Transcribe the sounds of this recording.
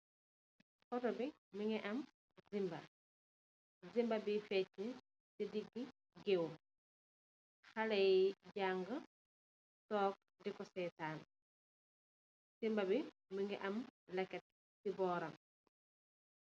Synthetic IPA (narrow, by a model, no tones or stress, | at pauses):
fɔtɔbi | miŋɡɛʔɐm | zimbɐ̰ | zimbɐbifɛt̚ːə | sidiɡːi | ɡewu | xalɛɟaŋɡə | sɔːk̚dikɔsɛjtaːn | z̥imbɐbi | məŋɡɛ̰ʔɐmlɛkːɛt̚ | sibɔːɾɐm